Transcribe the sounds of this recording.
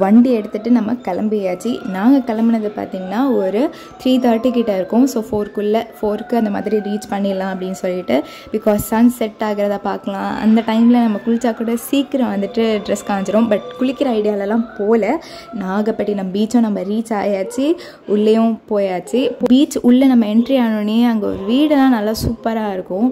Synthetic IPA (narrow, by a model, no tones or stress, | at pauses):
ʋɐɳɖiɛɽɯt̪ːɯʈːɯnɐmːɐkɐlɐmbɪjaːt͡ʃːinãːŋɡɐkɐlɐmbɪnɐðɯpa̰ːɾt̪iːŋɡɐnːaːɔɾɯ | t̪ɾiːt̪aːʈːikiʈːɐɪɾɯkːʊ̃soːfoːɾkʊɭːɐfoːɾkːɯɐnd̪ɐma̰ːðɪɾiɾiːt͡ʃpɐɳːɪlːãːɐp̬ɐɽɪnːɯsɔlːɪʈːɯ | bɪkɔːsːɐnsɛʈːaːɣɪɾɐðaːpaːɾkɐlãːɐ̰nd̪ɐʈɐɪmɪlɐnɐmːɐkʊɭɪt͡ʃːaːkuːɽɐsiːkːɪɾɐ̃ʋɐnd̪ɯʈːɯɖɾɛskaːɲd͡ʒɪɾʊ̃bɐʈkʊɭɪkːɪɾɐɐɪɽɪjaːlɛlːãːpoːlɐ | nãːɡɐpːɐʈːinɐmːɐbiːt͡ʃːõnɐmːɐɾiːt͡ʃa̰ːjaːt͡ʃːi | ʊɭːɐjʊ̃poːjaːt͡ʃːipbiːt͡ʃʊɭːɐnɐmːɐɛɳʈɾiaːɳɯɳeɐŋɡɐ̰ɾʋiːɽɐt̪ãːnɐlːasuːpːɐɾaːɪɾɯkːʊ̃